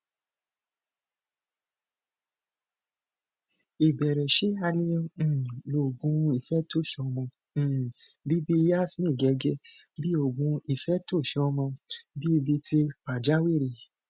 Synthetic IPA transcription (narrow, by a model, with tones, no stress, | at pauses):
i˨bɛ˨ɾɛ˨ʃe˨˦a˧lĩ˦˨lo˨ɡũ˧˦i˦˨fɛ˦to˦˨ʃɔ˨˧˦mɔ̃˧˨ | bi˦bi˧˦ja˦˨smĩ˦˨ɡɛ˨˧˦ɡɛ˦bi˦o˦˨ɡũ˧i˨fɛ˦to˦˨ʃɔ˨˦mɔ̃˧bi˦i˧bi˧te˦k͡pa˨d͡ʒa˨˦we˦˨ɾi˧˨